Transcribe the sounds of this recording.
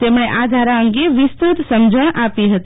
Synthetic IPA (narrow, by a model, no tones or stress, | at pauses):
t̪emɽ̃eʔad̪ʱaɾãəŋɡeʋist̪ut̪səmd͡ʒʱəɽ̃ʔapiɦət̪